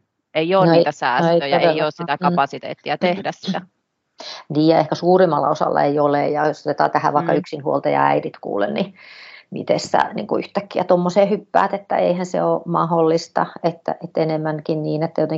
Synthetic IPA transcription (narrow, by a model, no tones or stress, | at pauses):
eioːnoet̪æsæːneiøjoeejoːssit̪ækɑpɑsit̪ḛːt̪ːiɑt̪ehdæssit̪æ | niːjjɑehkæsuːrimːɑlːɑ̰osɑ̰lːɑ̰eiolejɑjosot̪et̪ɑ̰ːt̪æhæ̰ʋɑikːɑyksinhuolt̪ɑjɑ̰æ̰idit̪kṵːlḛnnimḭt̪ḛsːæ̰nḭŋkuyht̪ækːiæt̪omːoseːhypːæ̰ːt̪et̪ːæḛihænsḛomɑholːist̪ɑet̪ːæ̰ʔet̪ːenemːæŋkinniːnet̪ːæjot̪eŋ